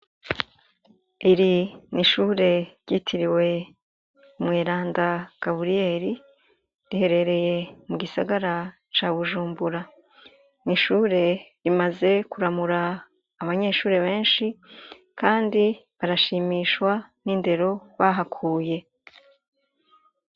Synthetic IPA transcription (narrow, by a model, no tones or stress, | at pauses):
iɾiniʃuːɾe̞ɾɟitʰiɾiwe̞ | umŋeːɾaːndaɡ̥aβuɾijeːɾi | ɾihe̞ɾe̞ɾe̞je̞muɡisa̰ɡaɾa | t͡ʃaːβuʒuːmbuɾa | niʃuːɾe̞ɾimaze̞kuɾamuɾaː | βaɲe̞ʃuːɾe̞βe̞ːnʃi | kaːndiβaɾaʃiːmiːʃwaninde̞ɾo̞βaɦakʰuːje̞